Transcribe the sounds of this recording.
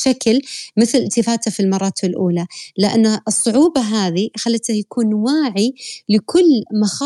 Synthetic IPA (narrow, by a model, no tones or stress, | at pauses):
ʃaklmɪθlɪlt̪ɪfaːt̪afilmɑrˤːɑːt̪ɪlʔuːlalɪʔa̰nːaʔɨsˤːʊʕuːbɑɦaːðixalːɪt̪ajakuːnwaːʕilɪkʰʊlːmaxɑ